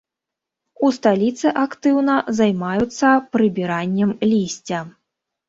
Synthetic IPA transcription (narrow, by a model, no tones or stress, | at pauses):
ust̪alʲit̪sɨʔakt̪ɨwnɐzajmajut̪sːɐpɾɨbʲiɾanʲːɛmlʲisʲt͡sʲɐ